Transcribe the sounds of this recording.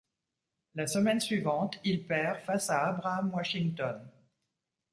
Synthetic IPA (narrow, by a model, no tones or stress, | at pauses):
lasəmɛnsɥivɑ̃t̪ilpɛʁfasaːbʁamwaʃiŋt̪ɔn